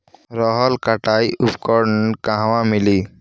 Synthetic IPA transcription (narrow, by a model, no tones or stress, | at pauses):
ɾɔɦɔlkəʈaːiʔupkɔɾkãɦʋãmɪliː